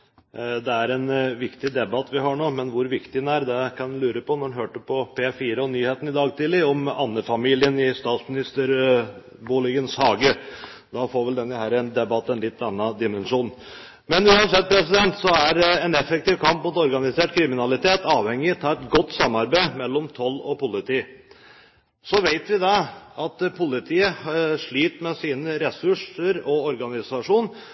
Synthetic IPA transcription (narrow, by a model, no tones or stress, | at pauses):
d̪ɛæɾɛnʋɪkt̪ɪd̪ɛbɑt̪ːʋɪɦɑɳoːmɛnʋʊɾʋɪkt̪ɪnæɾd̪ɛkʰɑnd̪ʉlʉːɾəpʰɔnɔɾnɦøːʈəpʰɔpʰeːfiːɾəɔnyːheːt̪ən̩ɪd̪ɑːɡt̪ʰɪːləɔmɑ̰nːəfɑmiːlɪənɪst̪ɑːt̪smɪnɪst̪əɾ | buːlɪɡənshɑːɡə | d̪ɑfoːɾʋɛld̪ɛnːəhæːɾɛnd̪ɛbɑt̪ːɛnlɪt̪ːɑnːɑd̪ɪmɛnʂuːn | mɛnʉːɑnsɛt̪̚ːpʰɾɛsɪd̪ɛnt̪sɔæɾɛnɛfɛk̚t̪ɪʋkʰɑmpmʊt̪ɔɾɡɑnɪseːʈkʰɾɪmɪnɑlɪt̪ʰeːt̪ɑːʋhɛŋːɪt̪ʰɑːɾɛt̪ɡɔt̪ːsɑmːɑɾbæɪmɛlːɔmt̪ʰɔlːɔpʊlɪt̪ʰiː | sɔʋeɪt̪ʋɪd̪ɛɑt̪pʰʊlɪt̪ʰiːəʂɭiːt̪mɛsiːnəɾɛsʉʂəɾɔɔɾɡɑnɪsɑʂuːn